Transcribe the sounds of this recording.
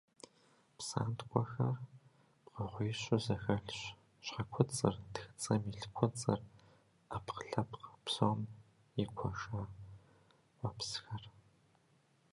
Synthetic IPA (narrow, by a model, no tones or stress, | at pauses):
psa̰ːntqʷʰʼɔxɐr | pqɐʁʷiːɕʼʊzɐxɐɬɕ | ɕɐkʷʰʊt͡sʼɨrtɨ̥xt͡sʼɐmiɬkʷʰɔt͡sʼɨr | apqəɬɐpqpsom | jɪkʷʰɔʃa | wɐpʰsxɐr